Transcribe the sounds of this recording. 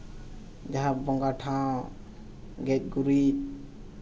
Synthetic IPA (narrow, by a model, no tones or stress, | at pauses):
d͡ʒaɦãbbɔŋɡaʈʰã | ɡɛt̪̚ɡuɾi